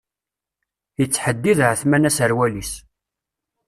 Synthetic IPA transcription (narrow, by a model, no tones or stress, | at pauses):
jət͡sːħəd̪ːiðʕəθmænæsəɾwælis